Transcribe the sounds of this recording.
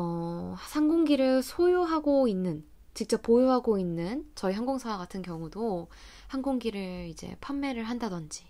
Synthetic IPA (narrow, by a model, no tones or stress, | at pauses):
ʌsʰaŋɡoŋɡiɾɯɭsʰojoɦaɡoinːɯn | t͡ɕik̚t͡ɕ͈ʌp͈̚ojoɦaɡoinːɯnt͡ɕʌiɦaŋɡoŋsʰawaɡatʰɯnkjʌŋudohanɡoŋɡiɾɯɭid͡ʑe̞̰pʰamːe̞ɾɯɭɦandadʌnd͡ʑi